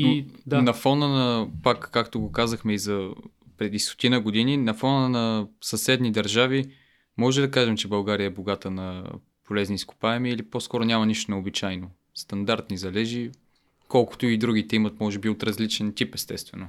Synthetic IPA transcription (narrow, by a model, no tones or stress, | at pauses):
d̪anɐfɔnənɐpakːakt̪oɡokazəxmɛizɐ | pɾɛd̪ist̪o̥t̪inəɡod̪ininɐfɔnənɐsɐsɛd̪nid̪ɐɾʒavi | mɔʒɛd̪ɐkaʒɛmt͡ʃɛbɐlˠɡaɾijəɛboɡat̪ənɐ | polɛzniːskʊ̥paɛmiːliposkɔɾonʲamɐniʃt̪onɛobit͡ʃajno | st̪ɐnd̪aɾt̪nizɐlɛʒi | kɔlˠkʊ̥t̪oid̪ɾuɡ̟it̪ɛimɐt̪mɔʒɛbiot̪ɾɐzlit͡ʃɛnt̪ʲipɛst̪ɛst̪vɛno